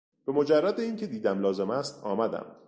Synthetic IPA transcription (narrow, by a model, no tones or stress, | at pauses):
b̥e̞mod͡ʒærːæd̪e̞iːŋcʰe̞d̪iːd̪æmlɒːze̞mæst̪ɒːmæd̪æ̰m